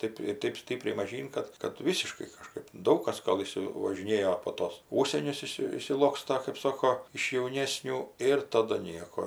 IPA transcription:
ˈtɜp ɪ ˈtɜp ˈsʲtʲɪpʲrʲɛɪ mɐˈʒʲiːn ˈkɐt kɐt ˈʋʲiːsʲɪʃkɐɪ kɐˈʃkɜp ˈdɐʊk kɐs ˈɡɐlˠ ˌɪʃʲsʲɪʋɐʒʲɪˈnʲeːjoː poː ˈtoːs ˈuːʃʲsʲiɛnʲʊs ˈɪʃʲsʲɪ ɪʃʲsʲɪˈlˠoːkstɐ kɜp ˈsoːkoː ɪʃ jɛʊˈnʲeːsʲnʲuː ˈɪr ˈtɑːdʊ ˈnʲiɛkoː

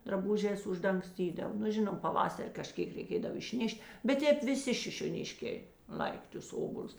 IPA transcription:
drɐˈbʊʒʲɛːs ʊʒdɐŋkˈsʲtʲiːdɐw nʊ ˈʒʲɪnoːm pɐˈʋɑːsɐrʲ kɐˈʃʲkʲeːk rʲɛɪˈkʲeːdɐw ɪʃʲˈnʲɛʃʲtʲ bʲɛt ˈtʲɛːp ʋʲɪˈsʲɪ ʃʲɪʃʲoːˈnʲɪʃʲkʲeː ˈlˠɐɪkʲ tʊs ˈoːboːlʲʊs

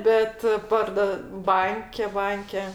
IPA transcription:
ˈbʲɛt ˈpɐrdoː ˈbɐŋʲkʲɛ ˈbɐŋʲkʲɛ

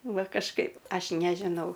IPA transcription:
ˈʋɐ kɐʃˈkɐɪp ˈɐʃ ˈnʲæːʒʲɪnɐʊ

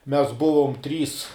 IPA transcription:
mʲɛs ˈbʊʋoːm ˈtʲrʲiːs

